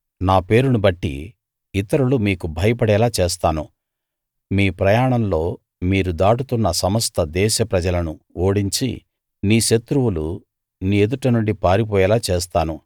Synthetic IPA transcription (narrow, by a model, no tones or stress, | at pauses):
naːpe̞ːɾunubɐʈːḭː | t̪ɐɾulumiːkubʱɐjɐpɐɽɛːlaːt͡ʃeːst̪aːnu | miːpɾɐjaːɳɐmlo̞ː | miːɾud̪aːʈut̪unːɐsɐmɐst̪ʰɐd̪ɛːʃɐpɾɐd͡ʒɐlɐnuoːɽiɲt͡ʃḭ | niːʃɐt̪ɾuwulu | niːed̪uʈɐnuɳɖipaːɾip̬ɔːjɛːlaːt͡ʃeːst̪aːnu